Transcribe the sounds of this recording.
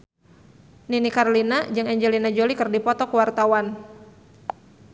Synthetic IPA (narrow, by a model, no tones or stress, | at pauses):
ninikarlinad͡ʒɨŋɛɲd͡ʒɛlinad͡ʒolikərdipɔt̪ɔkuwart̪awan